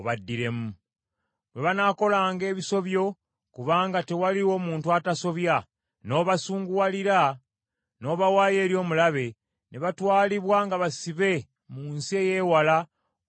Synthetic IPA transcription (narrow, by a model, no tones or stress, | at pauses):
oβadːiɾe̞mu | bwe̞βanaːko̞laːŋɡe̞ːβiso̞βjo̞ | kuβaːŋɡate̞waliwo̞ːmuːntuataso̞βja | no̞ːβasuːŋɡuwaliɾa | no̞ːβawaːje̞ːɾjo̞ːmulaβe̞ | ne̞βatwaːliβwaŋɡaβasiβe̞ | muːnsie̞ːje̞wala